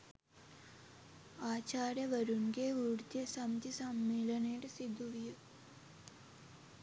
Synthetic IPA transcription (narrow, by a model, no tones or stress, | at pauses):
aːt͡ɕaːɾjɐʋɐɾunɡeuɽd̪jɐsɐmt̪isɐmːiːlɐnɐjɽesid̪uʋiju